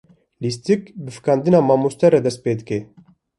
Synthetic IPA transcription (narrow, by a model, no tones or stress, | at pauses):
list̪ikbɨfɨ̥kɑːnd̪ɨnɑːmaːmust̪ɛɾɛd̪ɛst̪̚peːd̪ɨke